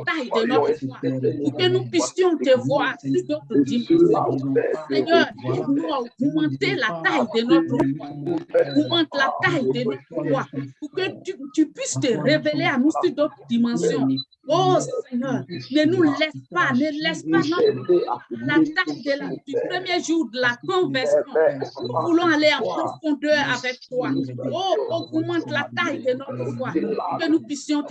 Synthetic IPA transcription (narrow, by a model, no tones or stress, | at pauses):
t̪aidenɔ̃tɾoatukenũpist̪iɔ̃t̪evɔasid̪otod̪imãsjɔ̃seɲɛɾnũɔɡumãt̪elat̪ajidenɔ̃tɾuaũmãt̪lat̪aid̪enɔ̃ɔauket̪ypwist̪eɾeveleanũsid̪otud̪imãsjɔ̃ | osɛɲɛːʁnenũlɛspanelɛspanɔ̃ | lat̪ajd̪əlad̪ypχəmjeʒuʁd̪əlakɔ̃vɛsjɔ̃nũvulɔ̃aleãpɔ̃fɔ̃d̪œʁavɛk̚t̪waookũmãt̪lat̪ajd̪enɔt̪əfwapukənũpɥisjɔ̃t̪